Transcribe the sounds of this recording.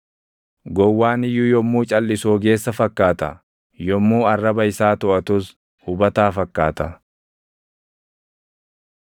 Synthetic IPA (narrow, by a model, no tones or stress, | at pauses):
ɡɔwːaːnɪjʊjɔmːuːt͡ʃʼɐlːɪsoːɡe̞ːsːɐfɐkːaːt̪ɐ̰ | jɔmːuːɐrːɐbɐɪsaːt̪ʊʔɐt̪ʊs | hʊbɐt̪aːfɐkːa̰ːt̪ɐ